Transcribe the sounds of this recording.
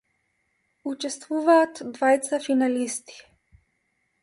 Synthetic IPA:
ut͡ʃɛst̪vuvaːt̪d̪vajt̪safinalist̪i̥

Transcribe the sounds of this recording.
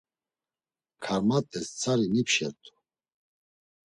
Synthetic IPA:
kʰaɾmat̪ʼɛst͡sʰaɾinipʃɛ̰ɾt̪ʰʼu̥

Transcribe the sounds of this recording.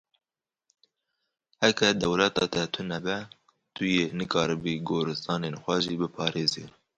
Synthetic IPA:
hɛkɛd̪ɛwlɛt̪ɑt̪ɛt̪ʰʊnɛbɛ | t̪ʰʊjenɨkɑːɾɨbiɡoːɾɨst̪ɑːnenxʷɛʒibɨpʰɑːɾeːzḭ

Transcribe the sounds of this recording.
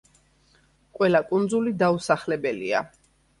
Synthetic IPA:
kʼwɛlakʼund̪zulid̪ausaχlɛbɛlḭa̰

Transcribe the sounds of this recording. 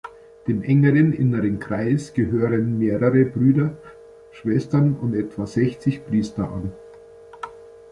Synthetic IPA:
d̥eːmʔɛŋəʁənʔɪ̰nəʁənkʁ̥aɪsɡ̥əɦøːʁənmeːʁəʁəbʁyːdɐ | ʃv̥ɛstɐnʊntɛtv̥azɛçt͡sɪçpʁ̥iːstɐʔa̰n

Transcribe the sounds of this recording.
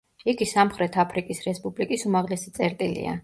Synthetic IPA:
iɡisamχɾɛt̪ʰapʰɾikʼisɾɛspʼublikʼisumaʁlɛsit̪sʼɛɾt̪ʼilḭa̰

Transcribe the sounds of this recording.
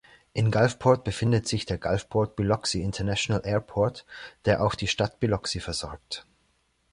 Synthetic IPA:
ʔɪnɡalfpʰɔɐt̚b̥əfɪndətz̥ɪçd̥eːɐɡalfpʰɔɐt̚b̥ilɔksiɪntʰɐnaʃonalʔɛːɐpʰɔɐtd̥eːɐʔaʊxd̥iːʃtatb̥ilɔksifɛɐzɔɐk̚t

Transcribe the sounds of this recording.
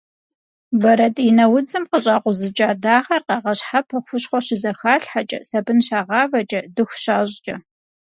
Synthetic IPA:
bɐɾɐtʼɪnɐwʊd͡zɨmqəɕʼaːqʷʊzɨt͡ʃʼaːdaːχɐrqɑʁɐɕħapʰɐxʷʊɕχʷɔɕɪzɐxaːɬħat͡ʃʼɐ̰sɐbɨnɕaːʁɑːvɐt͡ʃʼɐdɨxʷɕaːʑt͡ʃʼɐ

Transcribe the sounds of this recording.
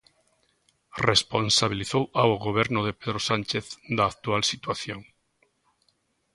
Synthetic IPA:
responsaβ̞iliθowaoɣoβ̞ɛɾnʊðepeðɾosant͡ʃeθd̪aːk̚t̪ualsit̪waθjoŋ

